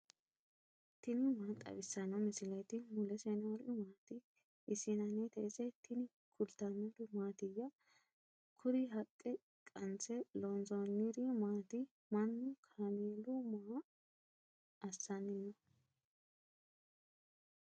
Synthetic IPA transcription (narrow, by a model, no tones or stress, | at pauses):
t̪ɪnɪmaːt̪ʼɐ̰βɪsːɐnɔmɪsɪlɐjt̪ɪmʊlɛsɛnɐwɾʊmaːt̪ɪ | ʔɪsɪnɐnɛt̪ɐsɛt̪ʰɪnɪ | kʰʊlt̪ɐnidʊmaːt̪ɪjːɐ | kʰʊɾɪɦɐkʼːɛ | kʼɐnt͡sɛlonzonːɪɾɪmaːt̪ɪ | mɐnːʊkʰaːmeːlʊma | ɐsːɐnːɪnɔ